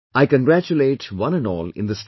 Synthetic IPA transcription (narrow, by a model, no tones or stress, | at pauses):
aɪkə̃nɡɾæt͡ʃuleːʈʋʌ̃nə̃nɔ̰ːlɪ̰̃nd̪əs